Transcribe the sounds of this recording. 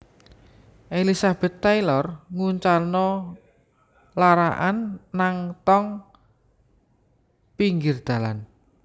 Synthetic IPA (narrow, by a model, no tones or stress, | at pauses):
ʔelisab̥ɛ̤t̪ːajlɔrŋuɲt͡ʃalnɔ | laɾaʔanːaŋt̪ɔŋ | piŋɡɪrd̪̥a̤lan